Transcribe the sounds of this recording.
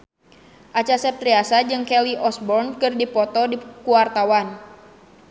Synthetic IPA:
ʔat͡ʃasɛp̚t̪ɾiasad͡ʒɨŋkɛliʔɔsbɔrnkɨrdipɔt̪ɔdikuwart̪awan

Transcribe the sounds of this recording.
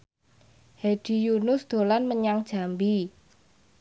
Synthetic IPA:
hed̥i̤junʊsd̪̥o̤lanməɲaŋd̥ʒ̥a̤mbi

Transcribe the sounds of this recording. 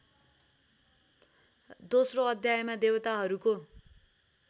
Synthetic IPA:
d̪osroʌd̪ʱjajmad̪ewʌt̪aɦʌɾuko

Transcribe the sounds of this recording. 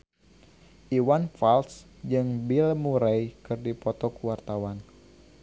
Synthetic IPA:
ʔiwanfals | d͡ʒɨŋbilmuɾajkɨrdipɔt̪ɔkuwart̪awan

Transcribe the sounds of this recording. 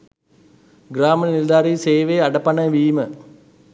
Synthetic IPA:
ɡɾaːmənnild̪aːɾiːseːʋeːɐɖɐpɐnɐʋiːmə

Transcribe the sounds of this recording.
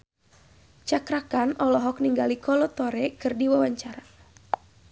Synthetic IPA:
t͡ʃakɾakanɔlɔɦɔk̚niŋɡalikʰɔlɔt̪ɔɾɛkɨrdiwawaɲt͡ʃaɾa

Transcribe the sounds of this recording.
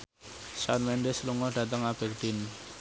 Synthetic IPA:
sanmɛnɖɛsluŋɔɖ̥ä̤t̪̬əŋab̥ɛ̤k̚ɖ̥in

